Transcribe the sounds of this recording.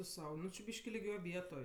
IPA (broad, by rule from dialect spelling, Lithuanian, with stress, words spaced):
tʊ ˈsɐʊ ˈnʊ t͡ʃʲɪ ˈbʲiːʃʲkʲɪ lʲɪˈɡʲoːj ˈʋʲiɛtoːj